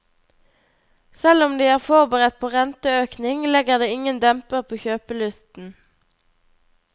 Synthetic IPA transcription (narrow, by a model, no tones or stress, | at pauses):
sɛlʊmd̪iːæːʁfɔʁbəʁɛt̪̚pʰoːʁɛnt̪əøːknɪŋlɛɡəʁd̪eːɪŋənd̪ɛmpəʁpʰoːçøːpəlʉst̪n̩